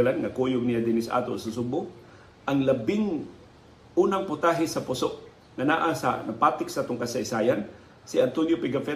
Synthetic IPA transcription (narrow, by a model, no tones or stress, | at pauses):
lanŋɐkujʊɡ̚nɪjad̪ɪnɪsʔa̰ːt̪osʊs̬ʊbʊ | ʔɐŋlɐbɪŋ | ʔuːnaŋpʊt̪aɦɪsɐpʊsoʔ | ŋɐnaʔasɐ̰nɐpaːt̪ɪksaʔat̪ʊŋkasaɪsaːjan | sɪant̪onjopɪɡafɛ